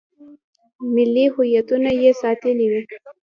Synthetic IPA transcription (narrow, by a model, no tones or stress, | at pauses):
mɪlːihʊjat̪unajesɑt̪əliwi